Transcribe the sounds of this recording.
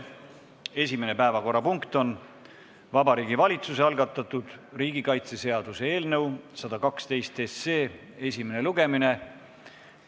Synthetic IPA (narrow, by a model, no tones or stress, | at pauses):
e̞sʲime̞ne̞pæevɑko̞rːɑpuŋkt̪o̞n | vɑbɑɾiːɡivɑlʲit̪suseɑlɡ̥ɑt̪ːˑɑt̪ːˑud̪̥riːɡ̥ikɑjt̪se̞se̞ɑd̪̥use̞e̞ːlnɤwsɑd̪̥ɑkɑkst̪e̞jst̪e̞sːe̞ː | e̞sʲime̞neluɡ̥e̞mine̞